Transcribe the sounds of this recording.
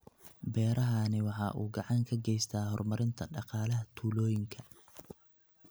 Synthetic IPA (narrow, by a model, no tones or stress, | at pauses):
bɛːɾɐɦɐnɪwɑħɑ̰ːʔuːɡɑʕɑŋkʰɐɡɛjst̪ʰaːɦɔrmɐɾɪnt̪ʰɐɖɑqɑːlɐɦɐt̪ʰuːlɔːjɪŋkʰɐ